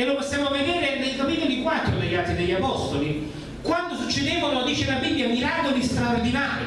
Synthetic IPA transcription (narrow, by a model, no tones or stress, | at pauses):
elːoposːjaːmoved̪eːɾenejkaminod̪ikwat̪ːɾod̪ejat̪id̪eʎːapɔst̪oli | kwand̪osut͡ʃːed̪eːvolod̪iːt͡ʃelabibːjamiɾaːd̪od̪ist̪ɾaord̪inaːɾḭ